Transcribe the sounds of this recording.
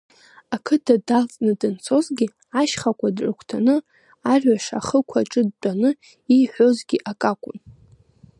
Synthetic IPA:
akʰɨdʰadalt͡sʼnɨdɨnt͡sʰo̞zɡʲi | aʃχakʷʰadrʼɨkʷʰtʰanɨ | arɥaʂa̰χəkʷʰaʈ͡ʂʼɨd̚t͡pʷʼanɨ | ijħʷᶣo̞zɡʲiʔakʼakʷʼʊ̰n

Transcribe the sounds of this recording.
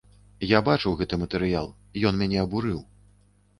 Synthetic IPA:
jabat͡ʂɨwɣɛt̪ɨmɐt̪ɛɾɨjalˠ | ijɔnmʲanʲɛɐbuɾɨw

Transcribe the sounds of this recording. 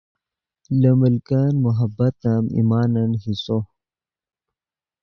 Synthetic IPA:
ləməlkanmuɦɐbɐt̪əmḭmaːnɐnɦiso

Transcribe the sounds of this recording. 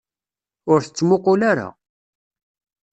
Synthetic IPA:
ʊɾθət͡sːmoqolaɾa̰

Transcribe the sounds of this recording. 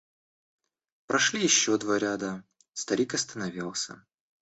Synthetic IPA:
pɾɐʂlʲijɪɕːod̪vaɾʲad̪ə | st̪ɐɾʲikɐst̪ənɐvʲilˠsʲə̰

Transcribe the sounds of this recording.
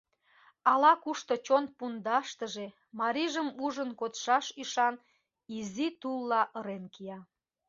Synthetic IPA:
ɑlɑkuʃt̪ot͡ɕon̚pund̪ɑʃt̪əʒe | mɑɾiʒəmuʒənkot̪ʃɑʃiʃɑn | izit̪ulːɑʔəɾenkijɑ

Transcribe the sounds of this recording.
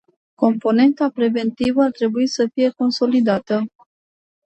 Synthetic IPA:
ko̞mpo̞ne̞nt̪apɾe̞ve̞nt̪ivəart̪ɾe̞buisəfije̞ko̞nso̞lid̪at̪ə

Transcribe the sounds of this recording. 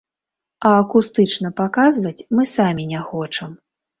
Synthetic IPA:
ɐːkust̪ɨt͡ʂnɐpakazvɐt͡sʲmɨsamʲinʲɛxɔt͡ʂɐm

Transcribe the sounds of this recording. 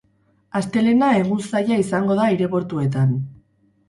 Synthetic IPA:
ast̪e̞le̞nae̞ɣ̞unsajaisaŋɡo̞ðaiɾe̞βo̞ɾt̪ue̞t̪̬an

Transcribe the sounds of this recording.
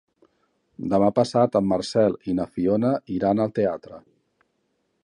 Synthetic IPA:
d̪əmapəsat̪əmːərsɛlinəfionəʔiɾanəlˠt̪eat̪ɾə

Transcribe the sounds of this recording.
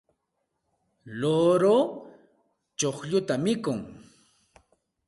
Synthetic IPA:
loɾo | t͡ʃoχʎʊt̪amɪkʊŋ

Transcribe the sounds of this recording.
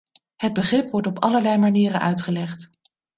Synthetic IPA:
həd̚bəχrɪpʋɔɹtɔpɑ̰ləɹlɛjmaniːrənʔœ̰ɥtχəlɛχt

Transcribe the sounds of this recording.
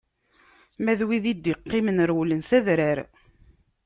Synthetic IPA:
mæðwiðid̪ːiqːɪmənɾwlənsæðɾaɾ

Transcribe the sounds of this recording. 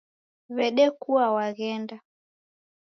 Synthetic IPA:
βɛɗɛkuwawaɣɛnda

